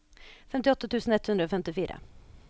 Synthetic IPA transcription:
fɛmt̪ɪɔt̪ːat̪ʰʉːsənɛt̪hɵnd̪ɾaɔfɛmt̪ɪfiːɾa̰

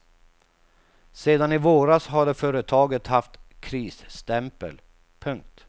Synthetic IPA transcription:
seːd̪anɪvoːɾasɦaɖɛfœːɾət̪ʰɑːɡət̪haft̪kʰɾiːsst̪ɛmpə̰l | pʰɵŋk̚t̪

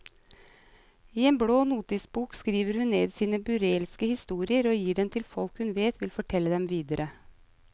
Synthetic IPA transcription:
iːeːmbɽoːnuːt̪ɪsbuːkskɾiːʋəɾhʉnneːd̪siːnəbʉɾeːlskəhɪst̪uːɾɪəɾoːjiːɖɛnt̪ʰɪlfɔlkhʉnʋeːt̪ʋɪlfɔʈʰɛlːəd̪ɛmʋiːd̪əɾʔə

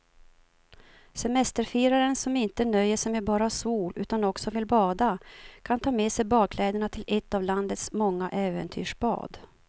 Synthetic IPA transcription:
sɛmɛst̪əɾfiːɾaɾənsɔmɪnt̪ənœjːəʂɛjmɛbɑːɾasuːlʔʉ̟ːt̪anɔksɔvɪlbɑːd̪akʰant̪ʰɑːmɛsɛjbɑːdkʰlɛːd̪əɳat̪ʰɪlɛt̪ːavland̪ət̪smɔŋːaʔɛːvə̰nt̪ʰy̰ːʂb̥ɑ̰ːd̪

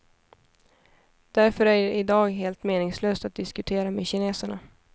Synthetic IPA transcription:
d̪̥æɾfœɾæɖɛʔɪd̪ɑːɡɦeːlt̪meːnɪŋsløːst̪at̪̚d̪ɪskɵt̪ʰeːɾamɛɕɪneːsəɳa̰

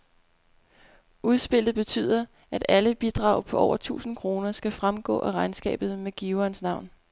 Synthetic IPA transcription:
ʔuð̞ˠsb̥e̝l̰d̥ð̩ˠb̥e̝t͡sʰy̰ːð̰ˠɐ | ʔæd̥æləb̥id̥ʁɑ̈ʊpʰɒ̽ʔɒ̰ʊɐt͡sʰṵːsn̩kʰʁo̝ːnɐsɡ̥æfʁamɡ̥ɔ̰̽ːʔæʁɑ̈ɪnsɡ̥ɛ̰ːb̥ð̞̩ˠmeɡ̥iʊɐnsnɑ̈ʊ̰n

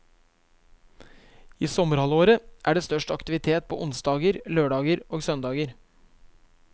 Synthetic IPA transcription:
iːsɔməɾhɑloːɾəʔæːɖeːst̪œʂʈɑkt̪ɪʋɪt̪ʰeːt̪̚pʰo̰ːʔʊnsd̪ɑːɡəɾløːɖɑːɡəɾoːɡsœnd̪ɑːɡəɾ

